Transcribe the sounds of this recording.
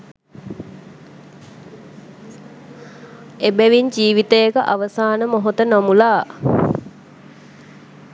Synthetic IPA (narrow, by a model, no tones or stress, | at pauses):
ebæʋiɲd͡ʒiːʋit̪əjekəʔaʋəsaːnəmoɦot̪ənomulaː